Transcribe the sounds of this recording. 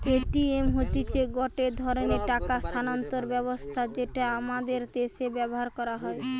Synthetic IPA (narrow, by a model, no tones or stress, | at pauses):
peʈiemɦot̪it͡ɕʰeɡɔʈed̪ʱɔɾoneʈakast̪ʰanant̪oɾbɛbost̪ʰad͡ʑeʈaamad̪eɾt̪esebɛboɦaɾkɔɾaɦɔe